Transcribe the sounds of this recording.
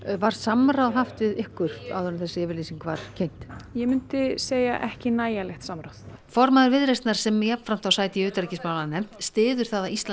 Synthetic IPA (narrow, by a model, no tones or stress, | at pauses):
vaɾ̥samɾawðɦaft̪vɪðɪhkːʏr̥t̪a̰wðʏɾʏmθɛsːɪɛːvɪɾliːsiŋkva̰ɾcʰejn̥t̪jɛmʏnt̪ɪseːja̰ʔɛhcɪnaːjalɛxt̪samɾawθ | fɔɾmaðʏɾvɪðɾejst̪naɾ̥sɛmjapn̥fɾam̥t̪awsaːjt̪ɪʏːt̪ɾicɪsmawlaðnɛm̥t̪st̪ɪːðʏɾ̥θaðaist̪la